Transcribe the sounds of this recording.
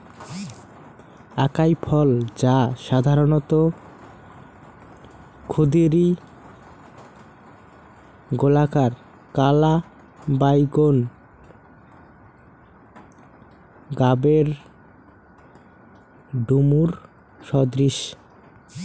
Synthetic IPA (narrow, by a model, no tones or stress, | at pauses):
akajpʰɔld͡ʑaʃad̪ʱaɾonot̪o | kʰod̪iɾi | ɡolakaɾ | kala | bajɡon | ɡabeɾ | ɖumuɾ | ʃɔd̪ɾiʃ